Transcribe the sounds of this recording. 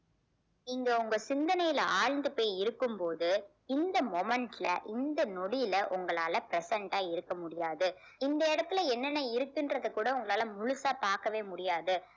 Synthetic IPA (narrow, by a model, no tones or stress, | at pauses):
ɪŋɡeʊŋɡɐsɪnd̪ɐnɐjɪlɐʔaːɻnd̪ɯpoːjɪɾɯkːɯmpoːðɯ | ɪnd̪ɐmɔmɐɳʈɪlɐ̰ʔɪnd̪ɐnɔɽɪjɪlɐʔʊŋɡɐɭaːlɐpɪɾɛsɛɳʈaːɪɾɯkːɐmʊɽɪjaːðɯ | ɪnd̪ɐɪɽɐt̪ːɯlɐɛnːɐnːɐɪɾɯkːɪndrɐðɯkːuːɽɐʊŋɡɐɭaːlɐmʊɻʊsaːpaːɾkɐʋeːmʊɽɪjaːðɯ